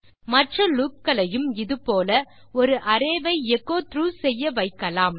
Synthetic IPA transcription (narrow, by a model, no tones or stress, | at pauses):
mɐʈrɐluːkːɐlɐjɯmɪðɯpoːlɐ | ɔɾɯʔɐɾeːʋɐɪɛkːoːt̪ɾuːsɛjːɐʋɐɪkːɐlaːm